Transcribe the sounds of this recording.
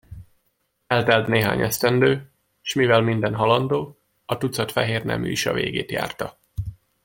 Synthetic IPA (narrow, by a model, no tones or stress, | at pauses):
ɛlt̪ɛlt̪neːɦa̰ːɲʔɛst̪ɛnd̪øː | ʃmivɛlmind̪ɛnɦɒlɒnd̪oː | ɒt̪ut̪sɒt̪fɛɦeːrnɛ̰my̰iʃɒ̰vḛːɡḛːt̪ja̰ːrt̪ɒ